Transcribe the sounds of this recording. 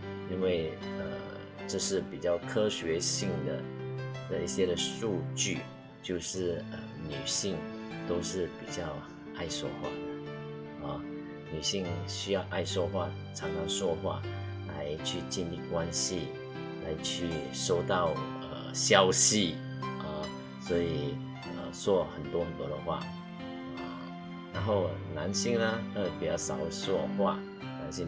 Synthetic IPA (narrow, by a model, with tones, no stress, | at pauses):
i˥nwe˥˩ɪə̰˩ | ʈ͡ʂɤ˥˧ʂɻ̩˥˩pi˨˩t͡ɕjɑ˥˩ʊkʰɤ˥ɕɥɛ˧˥ɕi˥˩ŋd̪ə̰˩d̪̥ə˨i˥˩ɕjɛ˥ɾə˨ʂu˥˧t͡ɕy˥˩ | t͡ɕjo˥˧ʊʂɻ̩˥˩ə˩ny˨˩ɕi˥˩ŋ | t̪o˥ʊʂɻ̩˥˩pi˨˩t͡ɕjɑ˥˧ʊ | ʔa˥˧ɪʂwɔ˥xwa̰˥˩d̪ə˩ | ɔ˥˧˩ | ny˨˩ɕi˥˩ŋɕy˥jɑ˥˧ʊʔa˥˩ɪʂwɔ˥xwa̰˥˩ | ʈ͡ʂʰɑ˧˥ŋʈ͡ʂʰɑ˨˧˥ŋʂwɔ˥xwa̰˥˩ | la̰˧˦ɪt͡ɕʰy˥˧t͡ɕi˥˧nli˥˩kwa˦nɕi˥˧ | la̰˧˦ɪt͡ɕʰy˥˩ʂo˥˧ʊt̪ɑ˥˩ʊ | ə̰˨˩ɕjɑ˥ʊɕi˥˩ | ʔə˩ | swɔ˧˥i˨˩ | ə˧swɔ˥˩xə˨˩nt̪wɔ˥xə˨˩nt̪wɔ˥d̪ə˨xwa̰˥˩ | ə˩ | na˧˥nxo˥˩ʊna˧˦nɕi˥˧ŋnə˧ə˥˩pi˨˩t͡ɕjɑ˥˩ʊsɑ˨˩ʊswɔ˥˧xwa̰˥˩ | na˧˥ɕi˥˧